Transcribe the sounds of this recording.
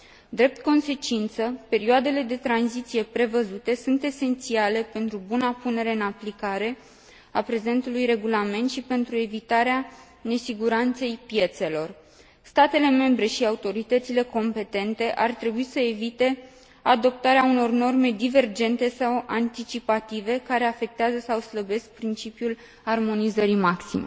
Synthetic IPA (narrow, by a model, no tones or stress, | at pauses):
d̪ɾe̞p̚t̪ko̞nse̞t͡ʃint̪səpe̞ɾioad̪e̞le̞d̪e̞t̪ɾanzit̪sije̞pɾe̞vəzut̪e̞sunt̪e̞se̞nt̪siale̞pe̞nt̪ɾubunapune̞ɾe̞ɨnaplikaɾe̞ | apɾe̞ze̞nt̪ulujre̞ɡulame̞nt̪ʃipe̞nt̪ɾue̞vit̪aɾea | ne̞siɡuɾant̪se̞jpje̞t̪se̞lo̞r | st̪at̪e̞le̞me̞mbɾe̞ʃiaut̪o̞ɾit̪ət̪sile̞ko̞mpe̞t̪e̞nt̪e̞ʔart̪ɾe̞buisəevit̪e̞ | ad̪o̞p̚t̪aɾeauno̞rno̞rme̞d̪ive̞rd͡ʒe̞nt̪e̞sawant̪it͡ʃipat̪ive̞kaɾe̞afe̞k̚t̪eazəsawsləbe̞sk̚pɾint͡ʃipjul | armo̞nizəɾimaksḭme